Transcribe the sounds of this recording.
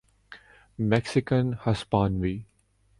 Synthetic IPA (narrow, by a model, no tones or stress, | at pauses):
mɛksɪkə̃nhɐspãːnʋi